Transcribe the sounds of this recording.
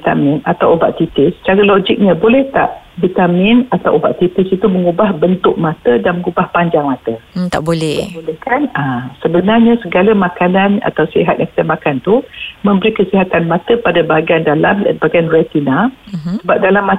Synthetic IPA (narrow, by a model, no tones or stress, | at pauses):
it̪a̰mĩnat̪awuba̰ʔt̪it̪ɪst͡ʃaɾaloɡik̚ɲabolɛht̪a̰ʔvit̪amɪnat̪awʔṵba̰ʔt̪it̪ɪsit̪uməŋubahbənt̪ʊʔ̚mãt̪ədanməŋubahpaɲd͡ʒaŋmãt̪ət̪a̰ʔbolɛt̪abolɛhkanasəbənarɲasəɡalamãkanana̰t̪awseɦat̪̚jãŋkə̥t̪əmakant̪umə̃mbəɾikəsiɦat̪anmãt̪əpadabaaɡiandalambaɡianrɛt̪inasəbap̚dalamːa